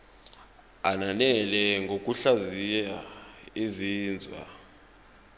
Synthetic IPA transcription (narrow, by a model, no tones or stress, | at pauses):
ananɛlɛŋɡʱok̬ʼuɬazijaiziːnd͡zʱwa̰